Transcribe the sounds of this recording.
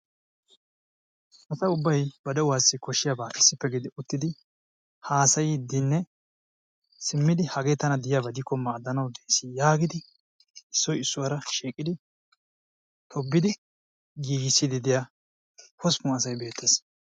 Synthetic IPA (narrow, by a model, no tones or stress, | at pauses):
ʔɐsɐʊbːɐjbɐd̪ɛʊwaːsːɪkɔʃːɪjabaːʔɪsːɪpːɛɡɪd̪ɪʔʊt̪ːɪd̪ɪ | haːsɐjɪd̪ɪnːɛ | sɪmːɪd̪ɪhɐɡeːt̪ɐnɐd̪ɪjabɐd̪ɪkːɔmːaːd̪ːɐnɐwd̪ejsɪjaːɡɪd̪ɪ | ɪsːɔjɪsːʊwɐɾɐʃiːkʼɪd̪ɪ | t̪ʰɔbːɪd̪ɪ | ɡiːɡɪsːɪd̪ɪd̪ɪja | pɔspʊɐs̬ɐjbe̞ːt̪ːɛs